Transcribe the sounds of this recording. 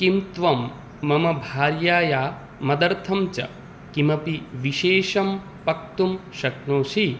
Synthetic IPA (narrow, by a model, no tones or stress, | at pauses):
kimt̪ʋɐmː | ɐmɐbʱaːɾjaːjaː | mɐd̪ɐɾt̪ʰɐmt͡ʃɐ̰ | kimɐpiʋiʃeːʃɐm | pɐk̚t̪umʃɐknoːʃi